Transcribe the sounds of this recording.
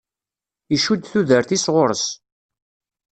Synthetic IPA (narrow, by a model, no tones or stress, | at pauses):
iʃud̪θuðəɾθisʁʊɾəs